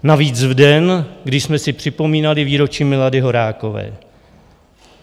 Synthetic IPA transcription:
naviːt͡svdɛnɡdɪʃsmɛsɪpr̥ɪpo̞miːnalɪviːɾo̞t͡ʃiːmɪladɪɦo̞ɾaːko̞vɛ̰ː

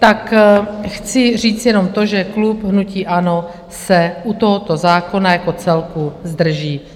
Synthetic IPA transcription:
t̪akxt͡sɪr̝iːt͡sjɛno̞mt̪oʒɛklupɦnuciːʔano | sɛʔut̪oɦot̪ozaːko̞najako̞t͡sɛlkuzd̪r̩ʒiː

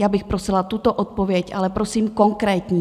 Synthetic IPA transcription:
jaːbɪxpɾosɪlat̪ut̪oʔot̪̚po̞vjɛcʔa̰lɛpɾo̞siːmko̞ŋkɾɛːt̪ɲi

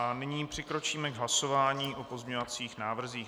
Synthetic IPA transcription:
anɪɲiːpr̥ɪkɾo̞t͡ʃiːmɛɡɦlaso̞vaːɲiːʔo̞po̞zmʲɲovat͡siːxnaːvr̩ziːx

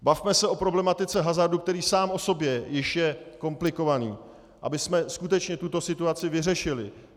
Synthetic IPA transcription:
bafmɛsɛʔo̞pɾo̞blɛmat̪ɪt͡sɛɦazaɾduk̚t̪ɛɾiːsaːmʔo̞so̞bjɛjɪʃjɛko̞mplɪko̞vaniː | ʔa̰bɪsmɛskut̪ɛt͡ʃɲɛt̪ut̪o̞sɪt̪uat͡sɪvɪrɛʃɪlɪ

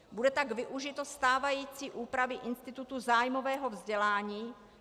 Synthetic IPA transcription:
budɛt̪aɡvɪʔuʒɪt̪o̞st̪aːvajiːt͡siːʔuːpɾavɪʔɪnst̪ɪt̪ut̪uzaːjmovɛːɦo̞vzɟɛlaːɲiː

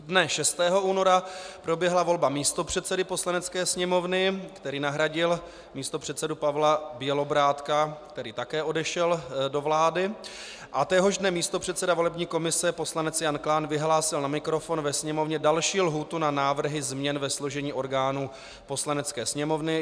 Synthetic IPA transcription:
dnɛʃɛst̪ɛːɦo̞uːno̞ɾapɾo̞bjɛɦlavo̞lbamiːst̪o̞pr̝̥ɛt̪t͡sɛdɪpo̞slanɛt͡skɛːsɲɛmo̞vnɪkt̪ɛɾiːnaɦɾaɟɪl | miːst̪opr̥ɛt̪sɛdupavlabjɛlo̞bɾaːt̪kakt̪ɛɾiːt̪akɛːʔo̞dɛʃɛldo̞vlaːdɪ | ʔat̪ɛɦo̞ʒdnɛmiːst̪o̞pr̝̥ɛt̪sɛdavo̞lɛbɲiːko̞mɪsɛpo̞slanɛt͡sjanklaːnvɪɦlaːsɪlnamɪkɾo̞fo̞nvɛsɲɛmo̞vɲɛdalʃiːlɦuːt̪unanaːvr̩ɦɪzmɲɛnvɛsloʒɛɲiːʔo̞ɾɡaːnuː | po̞slanɛt͡skɛːsɲɛmo̞vnɪ

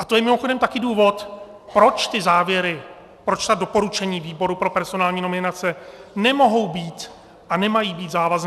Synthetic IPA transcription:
ʔat̪o̞jɛmɪmoxodɛmt̪akɪduːvo̞t̪ | pɾo̞t͡ʃt̪ɪzaːvjɛɾɪ | pɾo̞t͡ʃt̪adopo̞ɾut͡ʃɛɲiːviːbo̞ɾupɾo̞pɛɾso̞naːlɲiːno̞mɪnat͡sɛnɛmo̞ɦo̞wbiːt̪ | ʔanɛmajiːbiːt̪zaːvazn

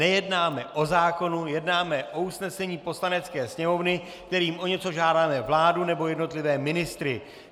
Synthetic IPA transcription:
ɛjɛdnaːmɛʔo̞zaːko̞nujɛdnaːmɛʔo̞usnɛsɛɲiːpo̞slanɛt͡skɛːsɲɛmo̞vnɪ | k̚t̪ɛɾiːmʔo̞ɲɛt͡so̞ʒaːdaːmɛvlaːdunɛbo̞jɛdno̞t̪lɪvɛːmɪnɪst̪ɾɪ

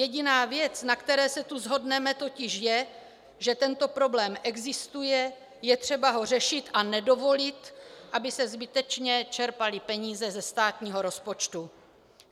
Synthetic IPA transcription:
jɛɟɪnaːvjɛt͡snakt̪ɛɾɛːsɛt̪uzɦo̞dnɛmɛt̪o̞cɪʃjɛ | ʒɛt̪ɛnt̪o̞pɾo̞blɛːmʔɛɡzɪst̪ujɛ | jɛt̪r̝̥ɛbaɦo̞r̝ɛʃɪt̪ʔanɛdo̞vo̞lɪt̪ʔabɪsɛzbɪt̪ɛt͡ʃɲɛt͡ʃɛɾpalɪpɛɲiːzɛzɛst̪aːt̪ɲiːɦo̞ɾo̞spo̞t͡ʃt̪u

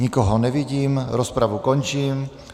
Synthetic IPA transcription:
ɲikɔɦɔnɛʋiɟiːmɾɔspɾaʋukɔɲt͡ʃiːm

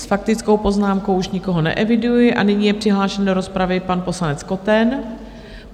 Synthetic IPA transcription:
sfakt̪ɪt͡skowpo̞znaːmkowʔuʃɲɪko̞ɦo̞nɛ̰ʔɛvɪdujɪʔa̰nɪɲiːjɛpr̝̥ɪɦlaːʃɛndo̞ɾo̞spɾavɪpanpo̞slanɛt͡sko̞t̪ɛn

